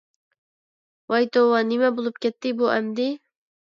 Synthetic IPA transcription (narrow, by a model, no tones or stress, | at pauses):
wɑjt̪owɑnɪmɛbolˠup̚kʲɛt̪ːɪbuʔɛmd̪ɪ